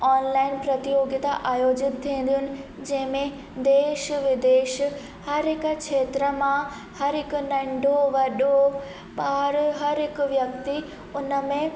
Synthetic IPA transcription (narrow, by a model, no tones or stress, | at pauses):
ɔːnlaːɪnpɾɐt̪ijoːɡjət̪aʔaːjoːd͡ʑɪt̪t̪ʰːĩːn̆d̪ijʊnɪ̆ | d͡ʑɐ̃ɦɪ̃mẽ | d̪eːʃʋɪd̪eːʃ | hɐɾɦɪkkʃʰeːt̪ɾəmã | hɐɾɦɪkʊ̆nɐ̃ɳɖʱoʋɐɗo | ɓaːɾɦɐɾɦɪkʊʋjɐkt̪i | ʊnəmẽ